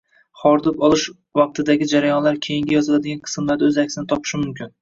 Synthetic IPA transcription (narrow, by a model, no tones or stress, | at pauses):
χɒɾd̪ɪpɒlˠɪʃ | vɒq̚t̪ʰɪd̪aɡʲɪd͡ʒaɾajɒnlaɾkʲʰe̞jɪŋɡʲajɒzɪlad̪ɪɡʲanqʰɨ̥smlaɾd̪aɵzakʲsɪnɪt̪ʰɒpʰɪ̥ʃɪmʊmkʲʰɪn